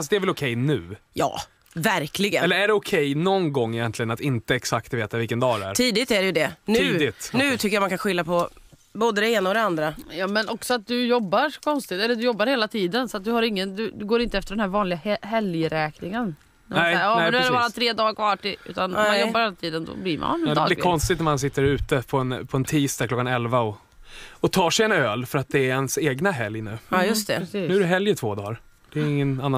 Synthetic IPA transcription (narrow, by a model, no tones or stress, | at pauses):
fasd̪ɛæɾvɛlɔkʰɛjnʉ̟ːjɑ̰ː | væɾklɪɡənɛlːəɾæɖɛʊkʰɛjnɔnɡɔŋːɪjɛnt̪ʰlɪɡənat̪ɪnt̪əɛksakt̪veːt̪avɪlkənd̪ɑːd̪ɛæ̰ːɾʰiːd̪ɪt̪æɖɛjɵd̪ɛnʉːd̪ɪt̪nʉ̟ːt̪ʰʏkːəjamankʰanɧɪlːapʰɔ | boːd̪əd̪ɛeːnaɔd̪ɛand̪ɾajɑːmɛnɔksɔat̪̚d̪ɵjɔbːaɾɔ̥kʰɔnst̪ɪt̪ɛlːəd̪ɵjɔbːaɾheːlat̪ʰiːd̪ənsɔat̪̚d̪ɵhaɾɪŋːənd̪ɵd̪ɵɡoːɾɪnt̪əɛft̪əɖɛnɦæɾvɑːnlɪɡahɛljəɾɛːknɪŋən | nɛmaɛɔɛd̪ʉadɛbɑːɾat̪ʰɾeːd̪ɑːkʰvɑːʈɪʉ̰ːt̪anɔmanjɔbːaɾheːlat̪ʰiːd̪ənd̪ɔ̰blɪɾma̰nd̪ɛlɪkʰɔnst̪ɪt̪næɾmans̬ɪt̪ːəɾʉ̟ːt̪əpʰɔɛnpʰɔɛnt̪ʰiːst̪aklɔkːanɛlvaɔ | ɔt̪ʰɑːʂɛjɛnøːlfœɾat̪̚d̪ɛːɾɛnseːɡnaɦɛljnʉ̟ːɑjɵst̪ɛ̰nʉæɾɛɦɛljət̪ʰv̥oːd̪ɑ̰ːɾ | d̪̥ɛɾɪŋːənanːa